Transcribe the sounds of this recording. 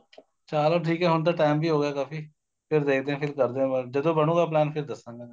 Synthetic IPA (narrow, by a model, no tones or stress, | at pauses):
t͡ʃaːloːʈʰiːkɦɛːɦʊnt̪̬aːʈaːmbʱiːɦoːɡjaːkaːfiː | pʰɪɾd̪eːk̚ʰd̪ẽːpʰɪɾkəɾd̪ẽːbəld͡ʒəd̪õːbəɽõːɡaːplɛːnpʰɪɾd̪əsãːɡaː